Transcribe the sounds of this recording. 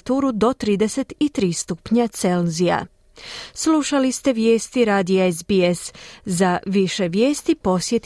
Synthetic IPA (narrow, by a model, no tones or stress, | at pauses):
t̪uːɾud̪o̞t̪ɾiːd̪e̞se̞t̪it̪ɾiːst̪upɲat̪se̞lzia̰ | sluʃalist̪e̞ʋjeːst̪iɾaːd̪iaezbieszaʋiʃe̞ʋjeːst̪ipo̞sje̞t̪